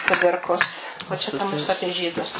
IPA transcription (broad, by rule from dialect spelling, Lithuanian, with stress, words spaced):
kʊˈdʲɪrkoːs oː ˈt͡ʃʲɛ ˈtɐ ˈmʊsʊ ˈɑːpʲiɛ ˈʒʲiːdʊs